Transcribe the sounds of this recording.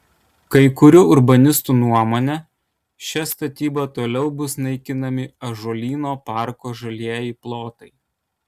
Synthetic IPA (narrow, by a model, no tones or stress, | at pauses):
kɐɪkʊɾʲʊʊɾbɐnʲɪst̪uːnuɔmoːnʲɛ | ʃʲɛst̪ɐt̪ʲiːbɐt̪oːlʲɛʊbʊsnɐɪkʲɪnɐmʲɪɐʒoːlʲiːnoːpɑˑɾkoːʒɐlʲiɛjiplˠoːt̪ɐɪ